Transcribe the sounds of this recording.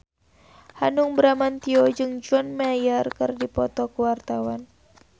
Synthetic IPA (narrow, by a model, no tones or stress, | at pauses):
hanuŋbəɾamant̪iɔd͡ʒɨŋd͡ʒɔnmajarkɨrdipɔt̪ɔkuwart̪awan